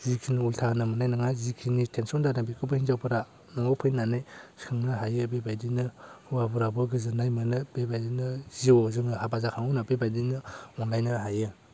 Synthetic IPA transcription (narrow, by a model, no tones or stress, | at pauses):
zikʰinultʰanɯmɯnajnɯŋazikʰinitʰensɔndanabikʰɯbɯhinzawpʰɯɾa | naŋɔpʰɯjnanɯjskʰɯŋnɯɦajɯbebajdinɯwabuɾabɯɡɯzɯnajmɯnɯb̥ebajdinɯziɔzɯŋɯhabazakʰaŋɔnabebajdinɯɔnlajnɯɦajɯ